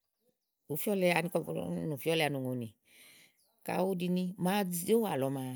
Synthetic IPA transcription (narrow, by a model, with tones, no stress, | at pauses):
u˨fi˦ɔ˦lɛ˧a˧nĩ˧kɔ̰˧˨˦nu˨fi˦ɔ˦lɛ˧a˧nu˨ŋo˨nĩ˨ | ka̰˨˦o˦di˧nĩ˧˦ma˦d͡zi˧˦o˦wa˨lɔ˧˦maː˧